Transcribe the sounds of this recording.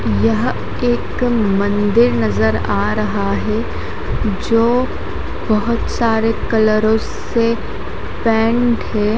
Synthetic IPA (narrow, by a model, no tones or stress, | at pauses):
jɐɦ | eːkmɐ̃nd̪ɪɾnɐzəɾaːɾɐɦaɦɛ | d͡ʒoː | bɐɦʊt̪saːɾekɐləɾõs | e | pɛ̃ːɳɖɦɛː